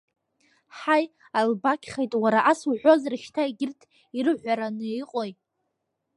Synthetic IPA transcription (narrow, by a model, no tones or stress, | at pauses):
ħaj | albakʲʰχejtʼwaɾaʔaswʕʷozrɨʃtʰaiɡʲɪrtʰ | iɾɨʕʷaɾanɨiqʼo̞j